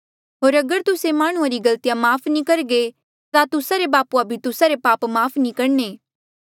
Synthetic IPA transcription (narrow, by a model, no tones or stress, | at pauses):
ɦoːɾɐɡəɾt̪ʊsemaːɽ̃ũaɾiɡɐlt̪ijamaːpʰnĩkɐɾɡe | t̪at̪ʊsaɾebaːpuabʱit̪ʊsaɾepaːpmaːpʰnĩkɐɽneː